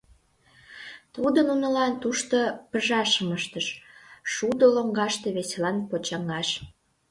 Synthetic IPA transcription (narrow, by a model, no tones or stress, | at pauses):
t̪ud̪ənunə̆lɑnt̪uʃt̪opə̆ʒɑʃəməʃt̪əʃʃud̪oloŋɡɑʃt̪eβeselɑnpot͡ɕɑŋɑʃ